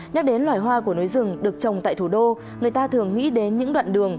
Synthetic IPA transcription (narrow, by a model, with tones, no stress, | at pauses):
ɲa˦˥k̚ɗe˨˦nlwaː˧˩jɦwaː˧ku˧˩əno˨˦jzɨ˨˩əŋɗɨ˨˩ək̚t͡ɕə˨˩wŋ͡mt̪a̰ː˧˨jt̪ʰu˧˩ɗo˧ | ŋɨ˨˩əjt̪aː˧t̪ʰɨ˨˩əŋːḭ˧˥ɗe˨˦nɲɨ̰˧˥ŋɗwa̰ː˧˨nɗɨ˨˩əŋ